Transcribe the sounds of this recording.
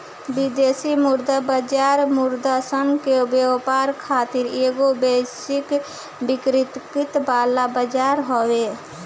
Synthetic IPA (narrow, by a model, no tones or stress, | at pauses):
bid̪eːsimuɾd̪abəd͡ʒaːɾmʊɾd̪asənkebepaːɾkʰaːt̪ɪɾeːɡobesɪk | bɪkɾɪt̪kɪt̪baːlabəd͡ʒaːɾɦowe